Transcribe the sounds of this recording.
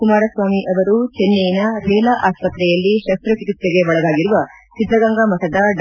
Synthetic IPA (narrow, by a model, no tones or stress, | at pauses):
kumaːɾɐsʋaːmiʔɐʋɐɾut͡ʃenːejinɐɾɛːlaʔaːspɐt̪ɾɛjɐlːiʃɐst̪ɾɐt͡ʃikit̪ɾeɡeʋɐɭɐd̪aːɡiɾuʋɐsid̪ɾɐɡɐŋɡɐmɐsɐd̪ɐɖ